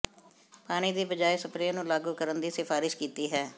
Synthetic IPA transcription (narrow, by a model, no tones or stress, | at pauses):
paːɽ̃iːd̪iːbəd͡ʒaːesəpɾenũːlaːɡuːkəɾənd̪iːsɪfʰaːɾɪʃkiːt̪iːɦɛː